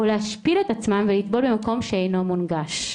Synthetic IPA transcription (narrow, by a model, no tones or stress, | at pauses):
oleaʃpilet̪at͡smamvelit̪bo̞lbemako̞mʃeejno̞munɡaʃ